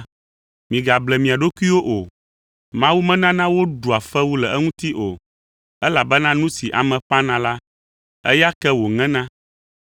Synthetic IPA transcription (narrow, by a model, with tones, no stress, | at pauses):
mĩ˨ɡa˨blɛ˨mĩ˨a˨ɖo˦ku˦i˦wo˦ʔo˨ | mã˦wu˦mɛ̃˦nã˦nã˦wo˦ɖu˨a˨fɛ˦wu˦lɛ˨ɛ˦ŋũ˦t̪i˦ʔo˨ | ɛ˦la˨bɛ˦nã˦nũ˦si˨ʔa˨mɛ̃˨ɸa˦nã˨la˦ | ɛ̰˦ja˦kɛ˦wo˨ŋɛ̃˦nã˦